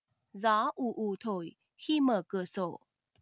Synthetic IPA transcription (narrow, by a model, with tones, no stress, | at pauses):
zaː˨˦ʔu˨˩ʔu˨˩t̪ʰo˧˩j | xi˧məː˨˩kɨ˨˩əso˧˩˨